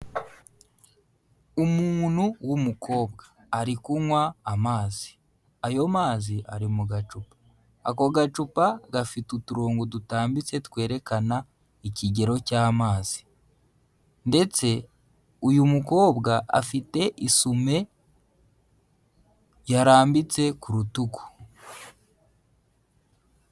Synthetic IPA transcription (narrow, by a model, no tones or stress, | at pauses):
umuːn̥huwumukʰo̞ːbɡaː | ɾikumwaːmaːzi̥ | ajo̞maːziʔaɾimuɡat͡ʃupḁː | ko̞ɡat͡ʃupaɡafitutuɾoːŋɡudutaːmbit͡se̞tkwe̞ːɾe̞kana | iciɟe̞ɾo̞caːmaːz̥i̥ | nde̞t͡se̞ | ujumuko̞ːbɡaʔa̰fite̞ʔisume̞ | jaɾaːmbit͡se̞kuɾutuku̥